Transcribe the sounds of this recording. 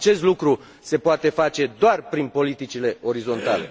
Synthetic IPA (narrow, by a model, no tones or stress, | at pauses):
t͡ʃe̞st̪lukɾu | se̞poat̪e̞fat͡ʃe̞d̪oarpɾinpo̞lit̪it͡ʃile̞o̞ɾizo̞nt̪ale̞